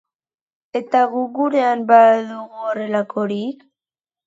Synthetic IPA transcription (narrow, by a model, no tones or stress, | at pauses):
e̞t̪aɣuɣuɾe̞ambaðuɣuore̞lako̞ɾi